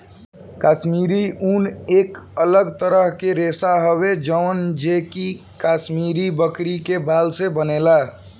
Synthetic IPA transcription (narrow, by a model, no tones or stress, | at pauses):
kasmiɾiunekələɡt̪əɾəɦkeɾesaɦobed͡ʒəʊnd͡ʒeki | kasmiɾibəkɾikebalsebənela